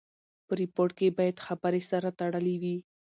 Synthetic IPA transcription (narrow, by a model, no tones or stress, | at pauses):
pəɾɪpoɾʈ̚kebɑjad̪xabəɾesaɾat̪aɽəlewi